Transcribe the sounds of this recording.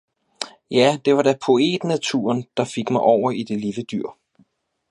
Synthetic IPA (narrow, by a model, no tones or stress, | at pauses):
jæd̥e̝ʋɑ̈d̥æpʰo̝e̝̰ːd̥næt͡sʰṵːɐnd̥ɑ̈fe̝ɡ̥mɑ̈ɪʔɒʊ̰ɐid̥e̝liləd̥yɐ̰